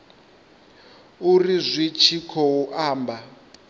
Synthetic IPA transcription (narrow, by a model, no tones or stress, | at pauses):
urizʷit͡ʃʰikʰɔuʔaːmba